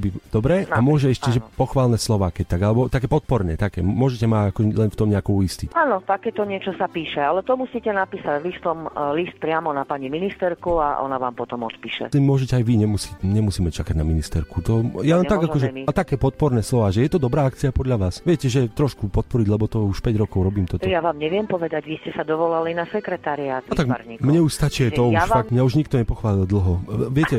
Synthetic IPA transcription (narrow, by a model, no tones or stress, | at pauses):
bid̪ɔbɾɛːʔamʊɔʒɛɛʃcɛʒɛpɔxʋaːlnɛːslɔʋaːkɛc̚t̪aɡalɛbɔt̪akɛːpɔt̪̚pɔɾnɛ̰ːt̪akɛːmʊɔʒɛcɛmaakɔʒɛlɛnft̪ɔmɲɛakuʊist̪icʔaːnɔt̪akɛːt̪ɔɲɪɛt͡ʃɔsapiːʃɛalɛt̪ɔmusiːcɛnapiːsaɟlist̪ɔmlist̪̚pɾɪamɔnapaɲiminist̪ɛɾkua̰ʔɔ̰naʋa̰ːmpɔt̪ɔmɔt̪piːʃɛ̰t̪ɛmʊɔʒɛcɛajʋiɲɛmusiːcɲɛmusiːmɛt͡ʃakaɟnaminist̪ɛɾkut̪ɔjalɛnaɡakɔʒɛt̪akɛːpɔt̪̚pɔɾnɛːslɔʋaːʒɛjɛt̪ɔd̪ɔbɾaːakt͡siapɔd̪ʎaʋaːsʋɪɛcɛʒɛt̪ɾɔʃkupɔt̪̚pɔɾiɟlɛbɔt̪ɔuʃpɛɟɾɔkɔʊɾɔbiːmt̪ɔt̪ɔjaʋaːmɲɛʋɪɛmpɔʋɛd̪aɟʋiscɛsad̪ɔʋɔlalinasɛkɾɛt̪aɾiaːt̪at̪aɡɲimɲɛuʃst̪at͡ʃiaj̪ɔuʃffaɡmɲauʒɲik̚t̪ɔɲɛpɔxʋaːlild̪l̩ˠɦɔʋɪɛcɛ